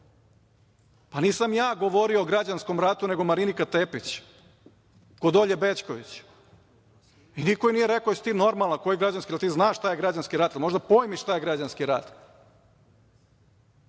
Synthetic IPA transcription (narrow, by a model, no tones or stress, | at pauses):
paniːsamjaːɡoʋo̞ɾioːɡɾad͡ʑansko̞mɾat̪une̞ɡomaɾinikat̪epit͡ɕ | kod̪oʎebet͡ʃkoʋit͡ɕ | inikojinijeɾekojesi̥t̪iːno̞ɾmalˠakojiɡɾad͡ʑanskialt̪iːznaːʃt̪ajeɡɾad͡ʑanskiɾat̪alimo̞ʒd̪apojmiʃt̪aːjeɡɾad͡ʑanskiɾa̰t̪